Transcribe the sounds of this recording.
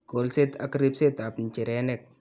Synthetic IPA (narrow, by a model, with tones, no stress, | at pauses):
ɡ̥olse˦t̪a̰˦kɾi˦pse˦t̪a˨pnt͡ʃi˨ɾenek̚